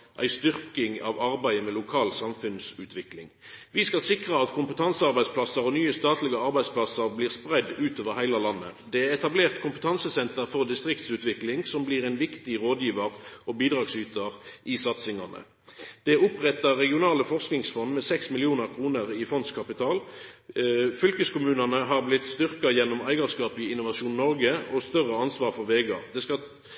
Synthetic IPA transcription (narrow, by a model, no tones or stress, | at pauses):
ʔæ̰ɪst̪ʏʁkɪŋɑ̰ʋɑʁbæɪəmɛlʊkʰɑːlsɑmfʉnsʉːt̪ʰʋɪklɪ̰ŋʋɪskɑsɪkʁəɑt̪kʰʊmpət̪ʰɑnsəɑʁbæɪspʰlɑsəʁɔnyːəst̪ɑːt̪lɪɡəɑʁbæɪspʰlɑsəʁbliːʁspʁɛd̪ʉːt̪oːʋəʁhæɪləlɑnːə̰d̪ɛæʁɛt̪ɑbleːʁt̪kʰʊmpə̥t̪ʰɑnsəsɛnt̪əʁfɔʁd̪ɪst̪ʁɪkt̪sʉːt̪ʋɪklɪŋsɔmbliːʁɛɪnʋɪkt̪ɪʁoːd̪jiːʋəʁɔbiːd̪ʁɑːɡsyːt̪əʁʔɪsɑt̪sɪŋɑnə̰ | d̪̥ɛʊpʁɛt̪ːɑʁːɛɡɪʊnɑːləfɔʁsknɪŋsfɔnd̪mɛsɛksmɪlɪuːnəʁkʰʁuːnəʁɪfɔnd̪skʰɑpɪt̪ʰɑːl | fʏlkəskʊmʉːnɑnəɦɑʁblɪt̪st̪ʏʁkɑjɛnːɔmæɪɡɑʁskɑːp̪ɪɪnʊʋɑʃuːnnɔʁɡəɔst̪œʁəɑnsʋɑːʁfɔʁʋeːɡɑ̰d̪ɛskɑ